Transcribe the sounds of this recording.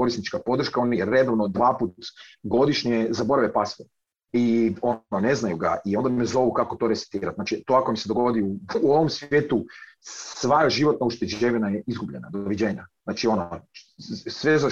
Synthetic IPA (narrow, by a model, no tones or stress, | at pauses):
ko̞ɾist̪nit͡ʃkapo̞d̪r̩ʃkaonajeːed̪oʋnod̪ʋaːput̪ɡo̞d̪iʃɲezaboɾaʋepasʋo | io̞oneznajuɡa̰ʔio̞nd̪amɛzo̞ʋukakot̪o̞ːɾesi̥t̪iːɾat̪naːt͡ʃit̪oakomised̪oɡo̞d̪iuːoʋomsʋjje̞ːt̪usʋaʒiʋo̞t̪nauʃt̪ed͡ʑeʋinajeizɡubʎena̰d̪oʋid͡ʑeːɲaznaːt͡ʃio̞no | sʋeza